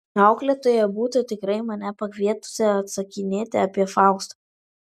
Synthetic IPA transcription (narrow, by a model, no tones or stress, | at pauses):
ɑˑʊklʲɛt̪oːjɛbuːt̪ʊt̪ʲɪkɾɐɪmɐnʲɛpɐkʋʲiɛt̪ʊ̥sʲɛɐt̪sɐkʲɪnʲeːt̪ʲɪɐpʲiɛfɑˑʊkst̪ɐ